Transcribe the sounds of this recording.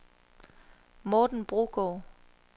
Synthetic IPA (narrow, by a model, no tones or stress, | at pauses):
mɔːd̥n̩b̥ʁuɡ̥ɔː